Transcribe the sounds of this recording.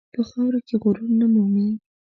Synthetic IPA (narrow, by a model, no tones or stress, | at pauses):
pəxɑwɾakeɣoɾunnːamumi